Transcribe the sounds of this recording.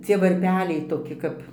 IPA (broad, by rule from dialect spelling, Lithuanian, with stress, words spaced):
ˈt͡sʲiɛ ʋɐrʲˈpʲæːlʲɛɪ toːˈkʲɪ kɐp